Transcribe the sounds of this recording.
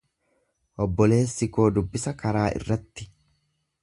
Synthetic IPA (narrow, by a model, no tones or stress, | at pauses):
ʔɔbːɔle̞ːsːɪko̞ːd̪ʊbːɪsɐkɐɾaːʔɪ̰rːɐt̪ːɪ̥